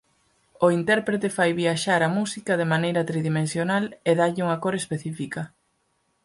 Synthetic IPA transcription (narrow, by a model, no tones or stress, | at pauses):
oint̪ɛɾpɾet̪efajβiaʃaɾɐmusikɐðemanejɾɐt̪ɾiðimẽnsjonaleðaʎɪuŋakoɾespeθifikɐ